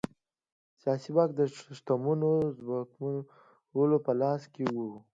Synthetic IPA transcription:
sjɑsibɑk̚d̪əʂt̪amunozwakmu | wəlopəlɑskewu

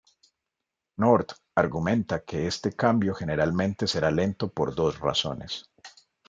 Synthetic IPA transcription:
noɾt̪ | aɾɣumẽ̞nt̪ake̞est̪e̞kambjo̞xe̞ne̞ɾalmẽ̞nt̪e̞se̞ɾale̞nt̪o̞po̞̰ɾd̪o̞sra̰so̞̰ne̞s

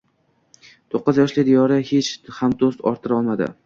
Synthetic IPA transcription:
t̪ʰoqːɨzjɒʃlɪd̪ijɒɾahet͡ʃhamd̪ost̪ɒ̰ɾt̪ʰɪɾɒlˠmad̪ɪ̰

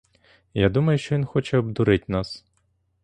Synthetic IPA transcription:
jad̪umɐjʊʃt͡ʃɔʋinxɔt͡ʃɛɔb̚d̪ʊɾɪtʲnɑs

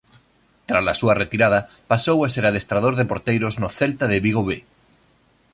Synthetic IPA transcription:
t̪ɾalasuɐret̪iɾað̞ɐpasowaseɾaðest̪ɾað̞oɾðɪpoɾt̪ejɾoznʊθelt̪aðɪβiɣ̞oβe

